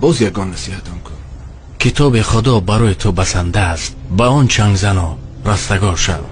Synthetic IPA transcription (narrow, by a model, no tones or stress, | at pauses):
bɔzjaɡɔnːasihat̪ʰɔmkʰun | kʰit̪ʰɔbiχud̪ɔbaɾɔit̪ʰubasand̪ast̪baɔnt͡ʃʰaŋɡzanɔ | ɾast̪aɡɔɾʃa̰v